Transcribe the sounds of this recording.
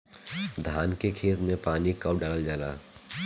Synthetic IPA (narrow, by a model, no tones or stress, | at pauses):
d̪ʱaːnkekʰeːt̪mẽpaːnikəwɖaːləld͡ʒaːla̰ː